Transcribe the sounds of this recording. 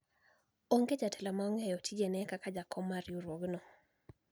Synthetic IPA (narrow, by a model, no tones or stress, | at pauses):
oŋɡed͡ʒatʰɛlamaɔŋɛjɔtʰid͡ʒenɛkakad͡ʒakʰɔmːaɾjuɾwoɡnɔ